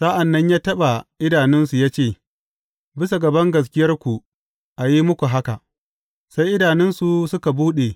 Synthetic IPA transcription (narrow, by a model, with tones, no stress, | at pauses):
sa˦ʔa˨nːɐ˦ɲjaː˦tɐ˦ɓa˨ʔɪ˦daː˨nɪ˦nsu˨jaː˦t͡ʃeː˦˨ | bɪ˦s̬a˨ɡɐ˨bɐ˦ŋɡɐ˨s̬kʲɪ˦jɐ˦rkʷu˨ | ʔa˨ji˦mʊ˦kʷu˨ɦa˦ka˨ʔ | sa˦jʔɪ˦daː˨nɪ˦nsu˨sʊ˦ka˨buː˦ɗe˨